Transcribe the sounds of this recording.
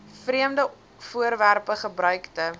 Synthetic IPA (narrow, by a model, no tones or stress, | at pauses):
friəmdə | fuəɾværpəχəbɾœɥktə